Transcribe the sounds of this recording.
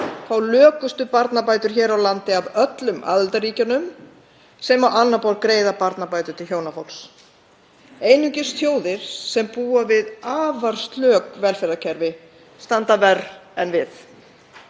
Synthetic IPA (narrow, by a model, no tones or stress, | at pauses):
θawlœːkʏst̪ʏpaɾt̪napaːjt̪ʏɾ̥çɛːɾawlant̪ɪavœt̪lʏmʔa̰ðɪlt̪ariːcanʏm | sɛmawʔanːapawlkɾeːjðapaɾt̪napaːjt̪ʏɾ̥t̪ʰɪlçjoːwnafɔwls | eːjnʏɲcɪ̥st̪θjoːwðɪɾ̥sɛmpuːavɪðaːvaɾ̥st̪lœːkvɛlfɛɾðacʰɛɾvɪ | st̪ant̪avɛrɛnvɪθ